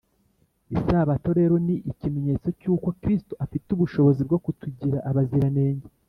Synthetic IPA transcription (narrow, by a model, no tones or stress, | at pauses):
isaβato̞ɾe̞ɾo̞niʔicime̞ɲe̞t͡so̞cuːkokɾistuʔafituβuʃo̞βo̞zib̚ɡo̞kutuɟiɾaʔaβaziɾane̞ːɲɟe